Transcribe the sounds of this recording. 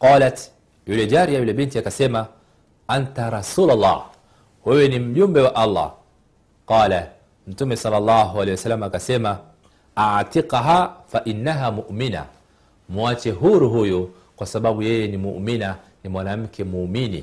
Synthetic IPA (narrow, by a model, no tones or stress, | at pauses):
qɑːlat | julɛd͡ʒaɾiajulɛɓintiakasɛma | ʔantaɾɑsuːlalːɑ̰ːh | wɛwɛnim̩ʄumbɛwaʔalːa̰ | qɑːla | m̩tumɛsɑlːalːaɦualɛjwasalːamaːkasɛma | atiqɦafaʔinːaɦamuʔmina̰ | muat͡ʃɛɦuɾuɦuju | kwasaɓaɓujɛjɛnimṵʔmina | nimwanam̩kʰɛmuːminḭ